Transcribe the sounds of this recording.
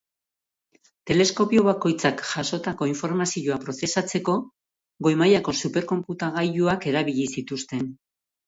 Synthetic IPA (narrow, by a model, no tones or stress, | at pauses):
t̪e̞le̞sko̞pio̞βako̞jt͡sakʝaʃo̞t̪ako̞iɱfo̞ɾmasioapɾo̞se̞sat͡se̞ko̞ | ɡo̞jmajako̞supe̞ɾko̞mput̪aɣ̞ajuake̞ɾaβiʎisit̪ust̪e̞n